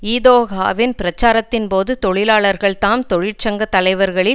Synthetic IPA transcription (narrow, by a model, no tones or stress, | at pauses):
iːðoːɣa̰ːʋɪnpɪɾɐt͡ʃːaːɾɐt̪ːɪnpoːðɯt̪ɔɻɪlaːɭɐɾɣɐɭt̪aːmt̪ɔɻɪʈ̚t͡ʃɐŋɡɐt̪ːɐlɐɪʋɐɾɣɐɭɪl